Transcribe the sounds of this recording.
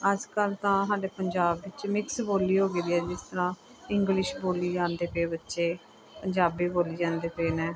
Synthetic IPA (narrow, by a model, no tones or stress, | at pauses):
əd͡ʒkəlt̪ãːsaːɖeːpəɲd͡ʒaːbːɪt͡ʃmɪksboːliːɦoːɡeːd̪iːɛːd͡ʒɪst̪əɾãː | ɪŋɡlɪʃboːliːd͡ʒãːnd̪eːpeːbətːʃeː | pəɲd͡ʒaːbiːboːliːd͡ʒãːnd̪eːpeːnɛː